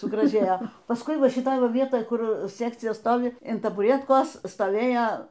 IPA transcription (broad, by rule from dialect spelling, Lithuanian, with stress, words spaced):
sʊɡrɐˈʒʲeːjoː pɐsˈkʊɪ ˈʋɐ ʃʲɪˈtoːj ˈʋɐ ˈʋʲiɛtoːj ˈkʊr ˈsʲæːkt͡sʲɪjɛ ˈstoːʋʲɪ ɪn tɐbʊˈrʲiɛtkoːs stoːˈʋʲeːjoː